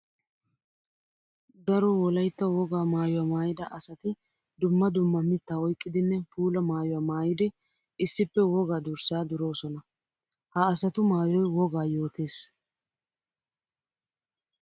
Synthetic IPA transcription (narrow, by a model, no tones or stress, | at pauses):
d̪ɐɾɔwɔlɐjt̪ːɐwɔɡaːmaːjʊwaːmaːjɪd̪ɐʔɐsɐt̪ɪ | d̪ʊmːɐd̪ʊmːɐmɪt̪ːaːɔjkʼːɪd̪ɪnːɛpuːlɐmaːjɔwaːmaːjɪd̪ɪ | ɪsːɪpːɛwɔɡaːd̪ʊɾsaːd̪ʊɾo̞ːsɔnɐ | hɐːsɐt̪ʊmaːjɔjwɔɡaːjo̞ːt̪eːs